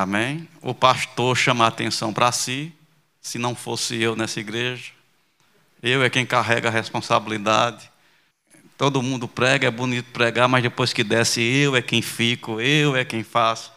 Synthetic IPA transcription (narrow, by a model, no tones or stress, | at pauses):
amẽj̃ʊ̰paʃt̪oɾʃɐ̃mat̪ḛ̃sɐ̃w̃pɾɐsi | sɪnɐ̃w̃fosɪewnɛsɐiɡɾeʒɐ | ewɛkẽj̃kaɦɛɡɐɦɛspõsabilid̪ad̪ɪ | t̪od̪ʊmũnd̪ʊpɾɛɡɐɛbunit̪ʊ̥pɾɛɡaɾmɐzd̪epojskɪd̪ɛsɪewɛkẽj̃fikʊewɛkẽj̃fasʊ̥